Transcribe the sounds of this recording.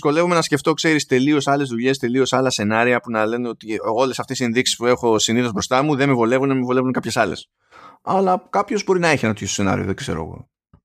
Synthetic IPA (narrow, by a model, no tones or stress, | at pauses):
iko̞le̞vome̞nɐsce̞ft̪o̞kse̞ɾist̪e̞lio̞sɐle̞zðuʎe̞st̪e̞lio̞sɐlɐse̞nɐɾiɐpunɐle̞neo̞t̪iolesɐft̪esienðiksi̥spue̞xo̞siniθo̞zbɾo̞st̪ɐmuðe̞mevo̞le̞vunemevo̞levunkɐpçe̞sɐle̞̰s | ɐlɐkɐpço̞zbo̞ɾinɐeçinɐt̪içestose̞nɐ̰ɾḭo̰ðekse̞ɾoɐ̰ɣo̰